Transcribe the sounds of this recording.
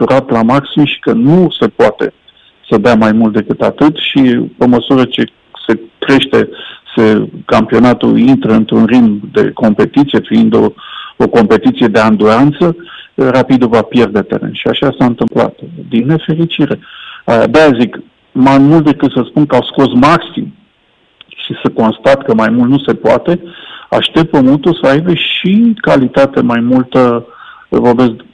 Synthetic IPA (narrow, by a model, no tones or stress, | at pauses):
uɾat̪lamaksimʃi̥kənuse̞poat̪e̞̰ | səd̪eamajmult̪d̪e̞kɨt̪at̪ɨt̪ʃipeməsuɾət͡ʃe̞ | se̞kɾe̞ʃt̪e̞sekampio̞nat̪ṵint̪ɾəɨnt̪ɾunrid̪md̪e̞̰ko̞mpe̞t̪it̪sije̞fiind̪ooko̞mpe̞t̪it̪sije̞d̪eand̪uɾant̪səɾapid̪uvapje̞rd̪eat̪e̞̰ɾe̞̰nʃiaʃasaɨnt̪ɨmpla̰t̪d̪inːe̞fe̞ɾit͡ʃiɾe̞aa̰d̪eazik | majmult̪̚d̪e̞kɨt̪səspunkəawsko̞smaksḭm | ʃisəko̞nst̪at̪kəmajmult̪nuse̞poa̰t̪e̞a̰ʃt̪e̞pt̪̚pəmunt̪usəajbeʃikalit̪at̪e̞majmult̪ə | vorbe̞z